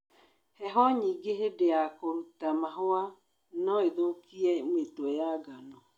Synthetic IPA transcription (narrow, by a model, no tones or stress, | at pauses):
hɛɦɔɲiːɡeɦedeakoɾutamaɦoa | nɔeðokiɛmetwɛjaɡanɔ